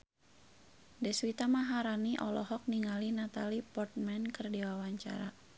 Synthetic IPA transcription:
dɛswit̪amaɦaɾaniʔɔlɔhɔk̚niŋalinat̪alipɔrt̪̚mɛnkərdiwawaɲt͡ʃa̰ɾa

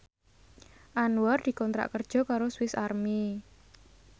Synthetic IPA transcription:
ʔanwɔrd̪̥i̤kɔnt̪ɾa̰ʔkərd̥ʒ̥ɔ̤kaɾoswɪsarmi

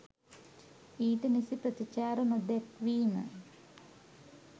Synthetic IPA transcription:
iːʈənisipɾət̪it͡ʃaːɾɐnod̪ɛkʋiːmə̰

